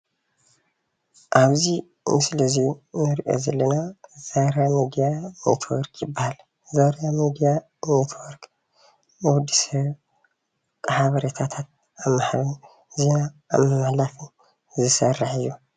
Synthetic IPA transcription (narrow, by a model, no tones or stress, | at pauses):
ʔaβzi | nɨsɨlɐzinɨɾiʔo̞̰zɐlːɐnaz̥aɾamid̪ijanḛt̪ʰwɔɾkʰjɪbːahal | zaɾjamid̪ija | net̪ʰwɔɾk | nɨwʊd̪ːisɐβ | kʼħaβɐɾet̪ʰat̪ʰat̪̚ | amːaħaβɨn | zina̰ːmɨmaħlafɨn | zɨsɐrːaħɨjːu